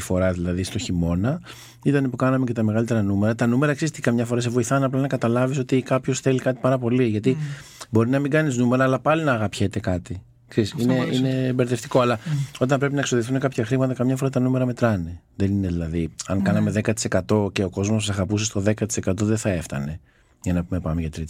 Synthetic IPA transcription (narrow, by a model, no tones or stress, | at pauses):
ifo̞ɾɐðilɐðist̪o̞çimo̞nɐ | it̪ɐnepukɐnɐme̞ce̞t̪ɐme̞ɣɐlit̪e̞ɾɐnume̞ɾɐt̪ɐnume̞ɾɐksist̪ikɐmɲɐfo̞ɾɐs̬evo̞iθɐnɐplɐnɐkɐt̪ɐlɐvis̬o̞t̪ikɐpço̞sθe̞likɐt̪i̥pɐɾɐpo̞liʝɐt̪i | bo̞ɾinɐmiɡɐniznume̞ɾɐːlɐpɐlinɐːɣɐpçe̞t̪e̞kɐt̪i | ksesineineːmbeɾðeft̪iko̞ɐlɐo̞t̪̬ɐmpɾe̞p̬inɐekso̞ðiθunekɐpçɐxɾimɐt̪ɐkɐmɲɐfo̞ɾɐt̪ɐnume̞ɾɐme̞t̪ɾɐneðe̞nine̞ðilɐðiɐŋkɐnɐme̞ðe̞kɐt̪i̥se̞kɐt̪o̞ce̞o̞ko̞zmossɐɣɐpuse̞st̪o̞ðe̞kɐt̪i̥se̞kɐt̪̬o̞ðeθɐe̞ft̪ɐ̰ne̞ | ʝɐnɐpume̞pɐmeʝɐt̪ɾit̪